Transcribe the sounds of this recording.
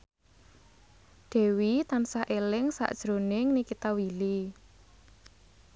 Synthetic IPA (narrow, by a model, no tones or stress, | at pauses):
ɖ̪̥ɛ̤wit̪ansaʔelɪŋsa̰ʔd̥ʒ̥ɾonɪŋnikit̪awili